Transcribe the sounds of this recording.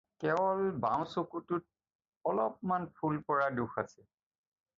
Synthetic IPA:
kɛɔlbaw̃sokutut̚ | ɔlɔp̚manpʰulpɔɹaduxa̰sɛ

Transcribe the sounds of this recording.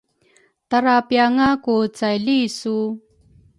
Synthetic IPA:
t̪aɾapjaŋakut͡sajlisu

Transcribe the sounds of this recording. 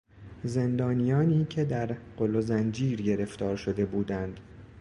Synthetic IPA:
ze̞nd̪ɒːnijɒːniːcʰe̞d̪æɾɢ̥olozænd͡ʒiːɾɟe̞ɾe̞ft̪ɒːɾʃo̞d̪e̞buːd̪ænd̪̥

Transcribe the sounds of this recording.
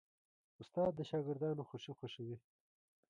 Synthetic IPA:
ʊst̪ɑːd̪̚ːəʃɑːɡɪɾd̪ɑːnoxoʃixoʃiwi

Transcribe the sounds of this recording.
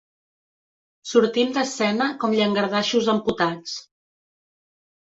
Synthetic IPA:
suɾt̪imd̪əsɛnəkɔmʎəŋɡəɾð̞aʃuzəmput̪at͡s

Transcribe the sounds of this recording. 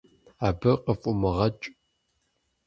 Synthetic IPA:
aːbɨqəfʼʊmɨʁɐt͡ʃʼ

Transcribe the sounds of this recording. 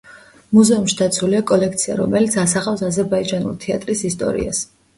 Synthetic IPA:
muzɛumʃid̪at̪sʰuliakʼɔlɛkʰt̪sʰia̰ɾɔ̰mɛlit̪sʰasaχafsazɛɾbaid͡ʒanṵlˠt̪ʰɛat̪ʼɾisist̪ʼɔ̰ɾḭa̰s

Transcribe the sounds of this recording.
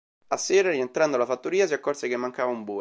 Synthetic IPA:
asːeːɾaɾient̪ɾand̪olafat̪ːoɾiːasiakːɔrsek̟emːaŋkaːvaumbuː

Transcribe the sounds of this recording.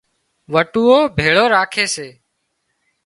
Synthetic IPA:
ʋəʈuːoːbʱeːɭoːɾaːkʰeːseː

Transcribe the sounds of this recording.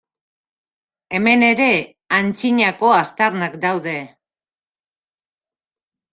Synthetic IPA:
e̞me̞ne̞ɾe̞ | ant͡siɲako̞ast̪aɾnakd̪awðe̞

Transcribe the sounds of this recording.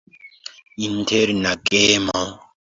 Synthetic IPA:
in̩tʰeɾinakʼɛːma

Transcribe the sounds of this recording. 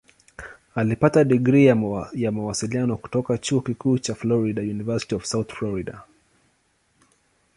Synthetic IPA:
alipataɗiɡɾijamawasilianɔku̥tɔkat͡ʃuɔkikuːt͡ʃaflɔɾiɗajunivɛsi̥tiɔv̥sawθflɔɹiɗa

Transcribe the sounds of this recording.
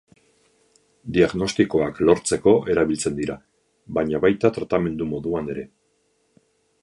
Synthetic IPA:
d̪iaɣno̞st̪iko̞aklo̞ɾt͡se̞ko̞ʔe̞ɾaβilt͡se̞nd̪iɾa | βaɲaβajt̪at̪ɾat̪ame̞nd̪umo̞ðuane̞ɾe̞

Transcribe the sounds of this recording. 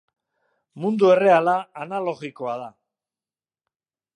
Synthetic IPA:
mund̪ue̞re̞alaːnalo̞ɣikoaða

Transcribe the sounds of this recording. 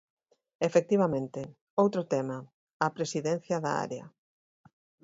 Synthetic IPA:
efek̚t̪iβ̞ɐmẽnt̪ɪ | owt̪ɾʊt̪ɛmɐ | ɐpɾesiðɛn̟θjɐðɐa̰ɾeɐ̰

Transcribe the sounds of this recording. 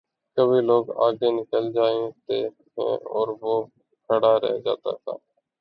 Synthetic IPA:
kəbʱiːloːɡa̰ːɡeːnɪkəld͡ʒaːeːt̪eː | ɦɛ̰̃ːɔːɾʋoː | kʰəɽaːɾɛ̰ɦd͡ʒa̰ːt̪a̰ːt̪ʰa̰ː

